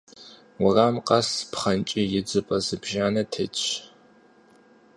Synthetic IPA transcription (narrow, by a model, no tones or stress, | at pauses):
wʊramqʼɐspʰχɐnt͡ʃʼijɪd͡zɨpʼɐzɨbʒaːnɐtʰet͡ʃʷʼʰ